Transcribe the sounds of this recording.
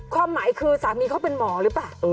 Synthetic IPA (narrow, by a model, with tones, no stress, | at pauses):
kʰwaː˧mːaː˩˦jkʰɯː˧saː˨˩niː˧kʰa˧˥˩wpe˧nmɔː˩˦ɾɯː˨˦plaː˨˩w